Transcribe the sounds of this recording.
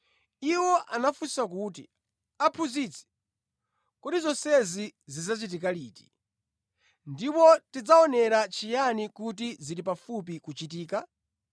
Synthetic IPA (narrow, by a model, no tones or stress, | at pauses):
iwɔʔanafusakuːt̬i | apʰuzit͡sʰɛ̥ | kɔdizɔsɛzizizat͡ʃit̬ikaliːti̥ | ndipɔtid͡zaɔnɛɾat͡ʃijanikutiziɾipafup̬ikut͡ʃit̬iːka